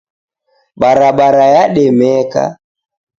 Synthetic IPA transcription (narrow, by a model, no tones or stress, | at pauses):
ɓaɾaɓaɾajaɗɛmɛka̰